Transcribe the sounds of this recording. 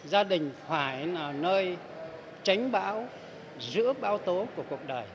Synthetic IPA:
zaː˧ɗï˨˩ŋ̟faː˧˩jlaː˨˩nəː˧j | t͡ɕa˨˦jŋ̟ɓa̰ː˧˥w | zɨ̰˧˥əɓaː˧wt̪o˨˦ku˧˩əku˨˩ək̚ɗəː˨˩j

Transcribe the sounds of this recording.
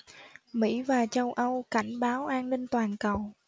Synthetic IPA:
mḭ˧˥vaː˨˩t͡ɕə˧wʔə˧wka˧˩jŋ̟ɓaː˨˦wʔaː˧nni˧ŋ̟t̪waː˨˩nkə˨˩w

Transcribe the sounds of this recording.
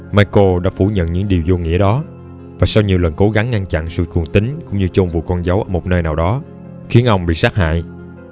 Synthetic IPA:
maː˧ko˧ɗa̰ː˧˥fu˧˩ɲə̰˧˨nɲɨ̰˧˥ŋɗi˨˩əwzo˧ŋḭ˧˥əɗɔ˨˦ | vaː˨˩sa˧wɲi˨əwlə˨˩nko˨˦ɣa˨˦ŋːa˧ŋt͡ɕa̰˧˨nsɨ̰˧˨t͡ɕu˨˩əŋt̪i˨˦ŋ̟kʊ̰˧˥ŋ͡mɲɨ˧t͡ɕo˧ŋ͡mvṵ˧˨kɔ˧nza˨˦wʔəː˧˩mo˨˩t̚nəː˧jnaː˨˩wɗɔ˨˦ | xi˨˦ənʔə˧wŋ͡mɓḭ˧˨saː˦˥t̚ha̰ː˧˨jʔ

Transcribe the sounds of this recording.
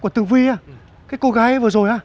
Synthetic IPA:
ku˧˩ət̪ɨ˨˧˨ŋvi˧aː˧˩ | kaː˨˦jko˧ɣaː˧˦jvɨ˨˩ə˩zo˨˩jʔaː˧˦

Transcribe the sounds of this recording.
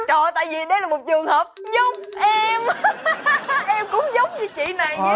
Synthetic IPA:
t͡ɕɔ˨˧˩t̪a̰ː˧˨jvi˨˩ɗə˨˦laː˨˩mo˨˩t̚t͡ɕɨ˨˩əŋhəː˨˩p̚ɲɨ˧ŋ͡mʔɛ˧m | ʔɛ˧mkʊ̰˧˥ŋ͡mzə˨˦wŋ͡mɲɨ˧t͡ɕḭ˧˨na˨˩j

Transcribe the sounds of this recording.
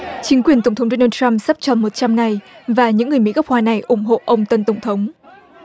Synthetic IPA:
t͡ɕï˨˦ŋ̟kwi˨˩ənt̪ə˧˩ŋ͡mt̪ʰə˨˦wŋ͡mɗo˧naː˧t͡ɕa˧msa˦˥p̚t͡ɕɔ˧˩mo˨˩t̚t͡ɕa˧mŋa˨˩jvaː˨˩ɲɨ̰˧˥ŋːɨ˨˩əmḭ˧˥kə˦˥k͡p̚hwaː˧˩na˨˩jʔʊ˧˩ŋ͡mɦo̰˧˨ʔə˧wŋ͡mt̪ə˨˩nt̪ə˧˩wŋ͡mt̪ʰə˨˦wŋ͡m

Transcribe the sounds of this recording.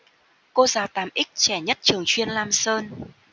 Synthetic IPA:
ko˧zaː˨˩wt̪aː˨˩mʔï˦˥k̚t͡ɕɛ˧˩ɲə˦˥t̚t͡ɕɨ˨˩əŋt͡ɕwi˧ənlaː˧msəː˧n

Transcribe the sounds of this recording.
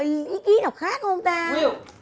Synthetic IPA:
ʔi˨˦ki˨˦na˨˩k͡p̚xaː˦˥k̚ə˧wŋ͡mt̪aː˧ɲi˧˩˨w

